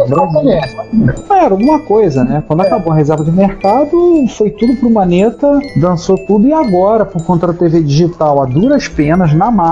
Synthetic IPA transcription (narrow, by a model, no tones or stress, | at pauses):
bɾazileɐ̃ɛɾɐũmɐkojzɐnɛkwɐ̃nd̪ʊakabowɐɦezɛɾvɐd͡ʒɪmeɾkad̪ʊfojt̪ud̪ʊpɾʊmɐnet̪ɐd̪ɐ̃sot̪ud̪ʊɪaɡɔɾɐpoɾkõnt̪ɐd̪ʊt̪eved͡ʒiʒit̪awad̪uɾɐʃpẽnɐznɐma